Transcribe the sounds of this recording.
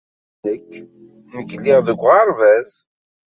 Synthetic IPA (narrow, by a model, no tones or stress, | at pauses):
nəkː | məkːəlːiʁðəɡʷːʁɑɾˤvæz